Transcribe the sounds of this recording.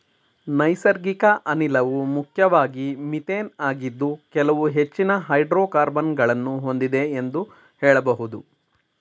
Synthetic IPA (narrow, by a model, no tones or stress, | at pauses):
nɐjsɐɾɡikɐʔɐnilɐʋumukʰjɐʋaːɡimit̪eːnaːɡid̪ːukɛlɐʋuɦe̞t͡ʃːinɐɦɐjɖɾoːkaːɾbɐnɡɐɭɐnːuɦo̞nd̪id̪e̞ːnd̪u | hɛːɭɐbɐɦud̪u